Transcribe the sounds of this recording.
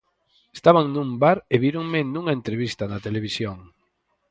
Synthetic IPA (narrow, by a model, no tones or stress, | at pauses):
est̪aβaŋnũmbaɾeβiɾoŋmenũŋaent̪ɾeβist̪anat̪eleβ̞isjoŋ